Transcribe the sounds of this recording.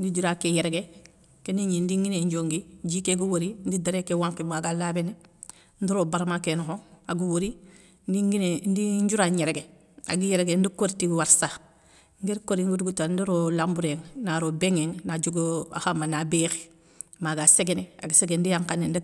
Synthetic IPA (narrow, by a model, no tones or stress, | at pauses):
ndid͡ʒuɾakejeɾeɡe | keniɲindiŋɡineɲd͡ʒoŋɡid͡ʒiːkeɡuwoɾindidaɾekewaŋkimaɡalabene | ndiɾoːbaɾmakenohoaɡuwoɾi | ndiɡinendiɲɟuɾaɲeɾeɡe | a̰ɡijeɾeɡendikoɾtiwaɾsa | ŋɡeɾkoɾiŋɡuduɡutandiɾolambuɾeŋnaɾobeŋeŋnad͡ʒuɡoa̰xamanabeːxi̥ | maɡaseɡeneaɡiseɡendijaŋkanːendi